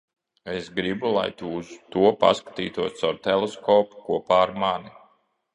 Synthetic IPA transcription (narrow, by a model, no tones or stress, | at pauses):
esɡɾibulˠa̰jt̪uz̥t̪uɔpa̰skḁt̪ḭːt̪uɔsawt̪ɛlˠeskɔːpu̥kuɔpaːɾmani